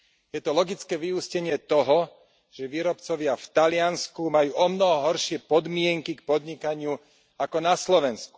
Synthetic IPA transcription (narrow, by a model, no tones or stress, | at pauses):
jɛt̪ɔlɔɡit͡skɛːʋiuscɛɲɪɛt̪ɔɦɔ | ʒ̥ɛʋiːɾɔpt͡sɔʋɪaft̪alɪanskumajuːʔɔmnɔɦɔɦɔɾʃɪɛpɔd̪mɪɛŋkikpɔd̪ɲikaɲɪu | akɔnaslɔʋɛnsku̥